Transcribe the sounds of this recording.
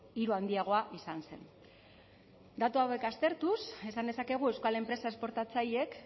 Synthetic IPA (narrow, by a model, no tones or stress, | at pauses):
iɾuand̪iaɣ̞o̞aʔisanse̞̰n | d̪at̪uawe̞kast̪e̞ɾt̪use̞sand̪e̞sake̞ɣ̞ue̞wskale̞mpɾe̞sae̞spo̞ɾt̪at͡saje̞k